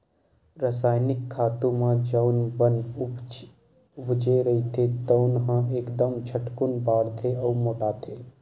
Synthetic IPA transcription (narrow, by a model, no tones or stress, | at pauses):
ɾasaːjnɪkʰːaːt̪ũmãd͡ʒəʊnʋən | ʊbd͡ʒeɾɐɦit̪ʰet̪əʊnɦãeːkd̪əmt͡ʃʰəʈkʊnbaːɾt̪ʰeəwmoːʈat̪ʰeː